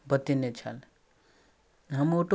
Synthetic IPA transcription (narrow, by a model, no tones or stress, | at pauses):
bət̪inet͡ʃʰə̰l | ɦəmoʈo